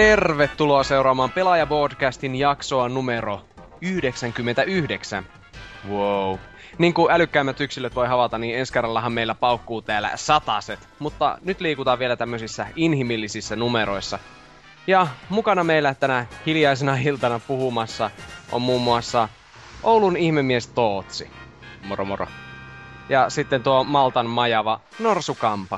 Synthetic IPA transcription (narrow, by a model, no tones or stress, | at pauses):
t̪erʋet̪ːuloɑse̞uɾɑːmɑːmpelɑjɑboːdkæst̪injɑksoɑnumeɾo | yhdeksæŋkymːent̪æyhdeksæ̰n | wowniːŋkuælykːæimːæt̪yksilːøt̪ʋo̞jɦɑʋɑt̪ɑniːnenskerːɑlːɑɦɑmmeilːæpɑukːuːt̪æːlæ̰sɑt̪ɑset̪mut̪ːɑ̰nyt̪liːkut̪ɑːʋʋielæt̪æmːøsisːæinhimilːisisːænumeɾoisːɑ | jɑmukɑnɑmeilːæt̪ænæhiljɑisenɑilt̪ɑnɑpuhumɑsːɑʔo̰mmuːmːuɑsːɑ | ʔowlunihmemːiest̪oːt̪si | moromoro̰ | jɑsit̪ːent̪uomɑlt̪ɑnmɑjɑʋɑ | norsukɑmpɑ